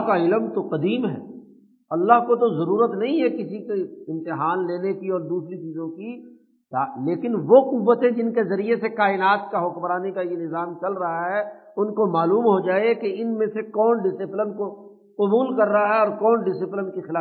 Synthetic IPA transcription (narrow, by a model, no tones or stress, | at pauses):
kaɪləmt̪oqɐd̪iːmɦɛ̰ː | ɐlːaɦkot̪̬ozɐɾuːɾət̪nɐɦĩɦɛkɪsikeɪ̃nt̪ɪɦaːnleːnekiɔːɾd̪uːsɾit͡ʃiːzõki | t̪aːleːkɪnʋoqʊʋːət̪ẽd͡ʒɪnkezɐɾiesekaːɪnaːt̪kaɦʊkmɾaːnekajenɪzaːmt͡ʃɐlɾɐɦaɦɛʊnkomaːluːmɦod͡ʒaːekeɪnmẽsekɔːnɖɪsɪplɪnko | qʊbuːlkɐɾːɐɦaɦɛɔːɾkɔːnɖɪsɪplɪnkixɪlaː